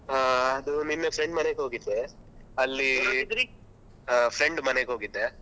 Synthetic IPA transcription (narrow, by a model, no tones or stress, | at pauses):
ɦaɐd̪uninːepʰɾeɳɖmɐneɡɦoːɡid̪ːeɐlːid̪ɾi | ɦapʰɾeɳɖmɐneɡɦoːɡid̪ːe